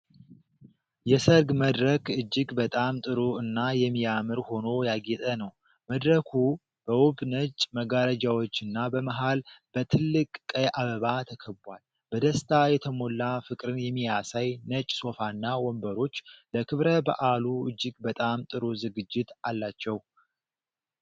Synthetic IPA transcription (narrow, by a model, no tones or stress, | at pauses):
jɛsəɾɡməd̪ɾəkɨd͡ʒːɪɡbət̪ʼamt̪ʼɨɾuɨnːajɛmːijamɨɾho̞no̞jaɡɛt̪ʼənəw | məd̪ɾəkʰu | b̥əwɔbnət͡ʃʼməɡaɾəd͡ʒawo̞t͡ʃːɨnːabəməɦalb̥ət̪ʰɨlːɨkʼkʼːəjʔaβəβat̪ʰəkʰəbwal | bəd̪əst̪ʰajɛt̪ʰəmo̞lːafɨkʼɾɨnjɛmːijasajnət͡ʃʼso̞fanːawɔmbəɾo̞t͡ʃːləkʰɨβɾəba̰ʔaluɨd͡ʒːɪɡbət̪ʼamt̪ʼɨɾuzɨɡɨd͡ʒːɪt̪alːat͡ʃːɛw